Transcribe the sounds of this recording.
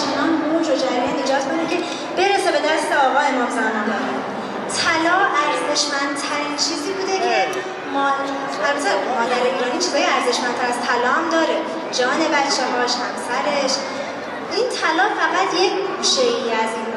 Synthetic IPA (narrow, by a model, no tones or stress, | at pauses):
t͡ʃʰenɒnmod͡ʒod͡ʒæɾiæniːd͡ʒɒːt̪̚ʰbekʰnekʲʰe | b̥e̞ɾese̞be̞d̪æst̪eɒːɣɒːe̞mɒːmzæmɒnd̪ɒːɾin | t̪ʰælɒːæɾze̞ʃmænd̪̥̚t̪ʰæɾiːnt͡ʃʰiːziːbuːd̪ecʰe | mː | æzzeɾmɒːd̪æɾeiːɾɒːniːt͡ʃʰizɒːjeæɾze̞ʃmænd̪t̪ʰæɾæz̥t̪ʰælɒːhæmd̪ɒːɾe | d͡ʒɒːne̞bæt͡ʃʰːeɦɒːʃhæmsæɾe̞ʃ | int̪ʰælɒːfæɣæd̪jekʰɡʰuːʃe̞iæzin